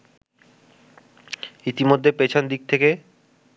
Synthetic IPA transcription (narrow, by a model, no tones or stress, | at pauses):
it̪imod̪ʱːepet͡ɕʰond̪ik̚t̪ʰeke